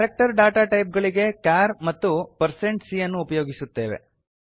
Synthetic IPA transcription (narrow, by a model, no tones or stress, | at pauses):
ɐɾek̚ʈɐɾɖaːʈaːʈɐjp̚ɡɐɭiɡe̞kjaːɾmɐt̪ːupɐɾse̞ɳʈsijɐnːuːpɐjo̞ːɡisut̪ːe̞ːʋe̞̰